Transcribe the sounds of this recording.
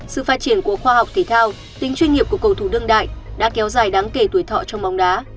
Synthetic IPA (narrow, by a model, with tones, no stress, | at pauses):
sɨ̰˧˨faː˧˥t̚t͡ɕi˧˩ənku˧˩əxwaː˧ɦa˨˩wk͡p̚t̪ʰe˨˧˦t̪ʰaː˧w | t̪ï˨˦ŋt͡ɕwi˧nŋi˨˩əp̚ku˧˩əkːə˧˩wt̪ʰu˧˩ɗɨ˧əŋɗa̰ː˧˨jɗa̰ː˧˥kɛ˨˦wzaː˨˩jɗaː˨˦ŋke˧˩t̪u˧˩əjt̪ʰɔ̰˧˨t͡ɕɔ˧wŋ͡mma˨˦wŋ͡mɗaː˨˦